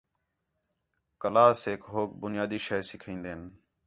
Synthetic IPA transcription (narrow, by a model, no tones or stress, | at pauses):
kəlaːseːkɦoːk̚bʊnɪjaːd̪iːʃɛːsɪkʰĩːnd̪eːən